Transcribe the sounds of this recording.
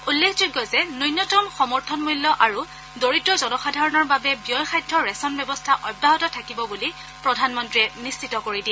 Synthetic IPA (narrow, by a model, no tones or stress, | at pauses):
ulːekʰzuɡːɔzɛnojnːɔtɔmxɔmɔɹtʰɔnmujlːɔʔaɹu | doɹitɔzɔnɔxadʱaɹɔnɔɹbabɛbiɔjxajdɹɔɹɛsɔnbɛbɔstʰaʔɔbʱːaɦɔtɔtʰakibɔbuli | pɹɔdʱanmɔntɹiɛnist͡ʃitɔkoɹidiɛ